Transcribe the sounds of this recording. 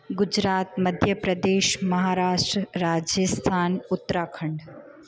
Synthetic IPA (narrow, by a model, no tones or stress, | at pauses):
ɡʊd͡ʒɾaːt̪mɐd̪ʱjəpɾɐd̪eːʃmɐɦaːɾaːʃʈɾəɾaːd͡ʒjəst̪ʰaːnʊt̪ːɾaːkʰəɳɖ